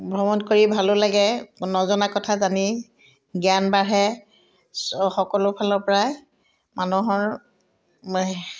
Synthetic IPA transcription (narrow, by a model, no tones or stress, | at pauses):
bʱɔbɔnkoɹibʱalʊlaɡɛnɔzɔnakɔtʰazani | ɡianbaɹɦɛ | sxɔkɔlʊpʰalɔɹpɔɹaj | manuɦɔɹ